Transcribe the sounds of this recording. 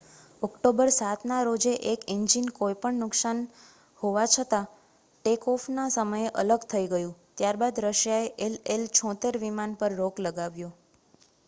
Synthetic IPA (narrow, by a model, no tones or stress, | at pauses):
ɔkʈobəɾsat̪ʰnaɾod͡ʒeʔekiɲd͡ʒinkojpəɳnʊksan | hoʋat͡ʃʰət̪a | ʈekɔfnasəməjeʔələɡt̪ʰəiɡəjũt̪jaɾbad̪ɾəʃjaeʔelelt͡ʃʰɔ̃t̪eɾʋimanpəɾːoɡləɡaʋjo